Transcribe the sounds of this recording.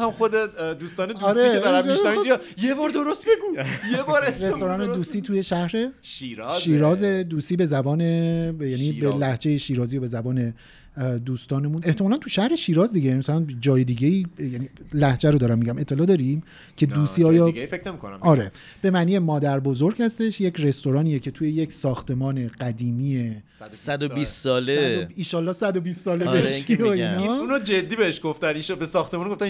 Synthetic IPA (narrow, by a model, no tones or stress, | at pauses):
hamχod̪ed̪uːst̪ɒːned̪ɒɾed̪ɾæeid͡ʒ | jebɒːɾd̪oɾost̪̚beɡujebɒːɾesɾest̪o̞ɾɒːned̪uːsiːt̪ʰujeʃæhɾe̞ʃiɾʃiːɾɒːzed̪uːsiːbe̞zæbɒːnejænibelæhd͡ʒe̞jeʃiːɾɒːzijobe̞zæbɒːne̞ | d̪uːst̪ɒːne̞mũne̞ht̪emɒlænt̪ʰuʃæhɾe̞ʃiːɾɒːzd̪iɟemæsælænd͡ʒɒːjed̪iːɟʲeiːjænilæhd͡ʒæɾod̪ɒːɾæmːiɟæme̞t̪ʰːe̞lɒːd̪ɒːɾim | cʰe̞d̪uːsiːɒːjɒːfekʰnemikʰonæ̰ɒːɾe | b̥e̞mæːniːjemɒːd̪æɾbo̞zo̞ɾɟ̥hæst̪e̞ʃjecʰɾe̞st̪o̞ɾɒːniːjecʰe̞t̪ʰuje̞jecʰsɒːxt̪e̞mɒːne̞ɢæd̪iːmiːje | sæd̪obist̪sɒːleiːnʃɒːlːɒːhsæd̪obist̪sɒːlbeʃioinɒunod͡ʒed̪ːibeheʃɡ̥oft̪æniʃbesɒːxt̪emɔːnɡoft̪æ